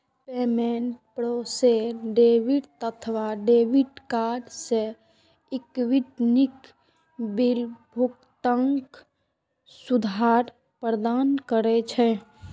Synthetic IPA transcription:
pemeɳʈ̚pɾoːseɖeʋiʈt̪ət̪ʰʋaɖeʋiʈkaːɖse | ɪkwiʈnik | biɾbʱuk | t̪əŋk | sud̪ʱaːɾ | pɾəd̪aːnkəɾɛt͡ʃʰɛ

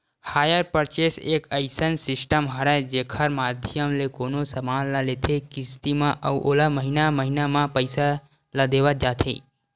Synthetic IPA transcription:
haːjəɾpəɾt͡ʃeseːkə̰ɪsənsɪsʈəmɦəɾad͡ʒeːkʰəɾmaːd̪ʱjəmlekoːnosəmaːnlalet̪ʰekɪst̪imãʔɐwʔo̰ːlaməɦinaməɦinamãpəɪsa | lad̪eːʋad͡ʒaːt̪ʰḛː

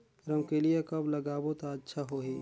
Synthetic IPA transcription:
ɾəmkelijekɐblɐɡaːbot̪aətːʃʰaɦoːɦeː

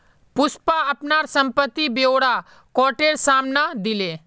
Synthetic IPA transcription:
pʊspaɐpnaːɾsə̃mpət̪ːibjoːɽa | kɔːʈeɾsaːmnad̪ɪleː

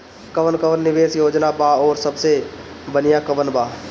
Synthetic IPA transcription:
kəʋənkəʋənːɪʋeːsjoːd͡ʒnabaɔːɾsəbse | bənɪjakəʋənbaː

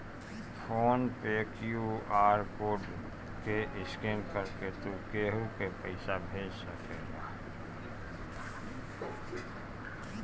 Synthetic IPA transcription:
pʰoːnpeːkjuaːɾkoːɖ | keʔɪskeːnkəɾket̪okeɦukepəɪsabʱeːd͡ʒsəkeːɡa

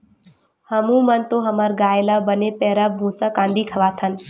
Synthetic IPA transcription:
həmũmənt̪oɦəmaɾɡaːjlabənepɛɾabʱũːsakãːnd̪iːkʰəʋaːt̪ʰən

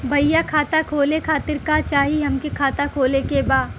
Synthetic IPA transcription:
bʱɐjakʰaːt̪akʰoːlekʰaːt̪ɪɾkat͡ʃaːɦiɦɐmkekʰaːt̪akʰoːlekebaːd̪

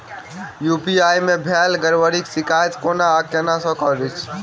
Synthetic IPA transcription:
jupiajmebʱɛlɡəɾʋəɾiksikajt͡ʃkonaːkenasɔ̃kɔɾit͡ʃʰ

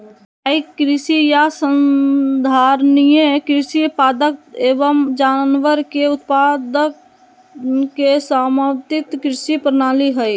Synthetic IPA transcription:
aːikɾɪsijasənd̪ʱaːɾnijekɾɪsipaːd̪ək̚eːʋəmd͡ʒaːnʋəɾkeʊt̪̚pad̪ək | kːesaməwt̪ɪt̪kɾɪsipɾənaːliɦəi

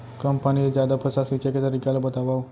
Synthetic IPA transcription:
kəmpanied͡ʒjad̪apʰəsasit͡ʃeket̪ːəɾikalobət̪aʋao

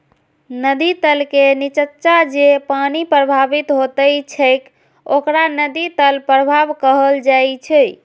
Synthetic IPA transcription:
nəd̪it̪əlkenit͡ʃətːʃad͡ʒepanipɾəbʱabit̪ɦot̪əjt͡ʃʰəɪk | okɾanəd̪it̪əlpɾəbʱabkəɦəld͡ʒajt͡ʃʰɛ

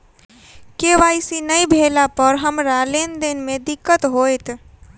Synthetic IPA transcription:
keːʋaːisinəibʱeːlapəɾɦəmɾaːleːnd̪ɪnmẽd̪ɪkːət̪ɦoːjt̪

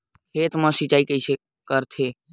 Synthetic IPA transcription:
kʰeːt̪mə̃sɪt͡ʃaːikəɪse | kəɾt̪ʰeː

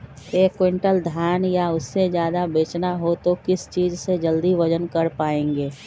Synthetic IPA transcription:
eːkːwẽɳʈəld̪ʱjaːnjaʊsːezjaːd̪abeːt͡ʃnaɦot̪okɪst͡ʃiːd͡ʒsed͡ʒəld̪iʋəd͡ʒənkəɾpaːẽːŋɡeː

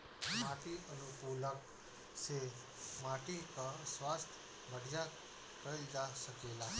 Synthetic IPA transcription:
maʈiʔənupulək | se | maʈikasʋast̪ʰ | ʋəɽjat̪ | kəeld͡ʒaʃəkela

